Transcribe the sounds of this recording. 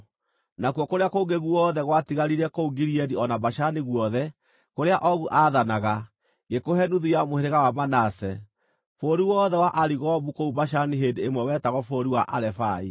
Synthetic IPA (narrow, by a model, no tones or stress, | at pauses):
nakwɔkoɾeakoŋɡeɣuwɔːðɛɣwatiɣaɾiɾɛkouɡiɾiɛdiɔnabaʃaniɣwɔðɛ | koɾeaʔɔɣuʔaðanaɣa | ŋɡekoɦɛnuðujamoheɾeɣawamanasɛ | foɾiwɔðɛwaʔaɾiɣɔbukoubaʃ̬aniɦedeːmwɛwɛtaɣɔfoɾiwaʔaɾɛfai